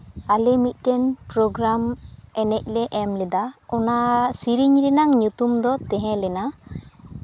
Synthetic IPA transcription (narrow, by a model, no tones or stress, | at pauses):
alɛmit̪̚ˀkɛnpɾɔɡɾamɛnɛc̚lɛʔɛmlɛd̪aɔnasiɾiɲɾinaŋɲut̪umd̪ɔt̪ɛ̃ɦɛ̃lɛna